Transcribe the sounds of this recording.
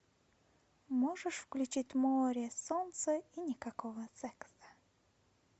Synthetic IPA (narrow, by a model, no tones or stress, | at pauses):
moʐɨʂfklʲʉt͡ɕitʲmoɾʲesɔnt̪səinʲɪkɐkovəsɛksə̥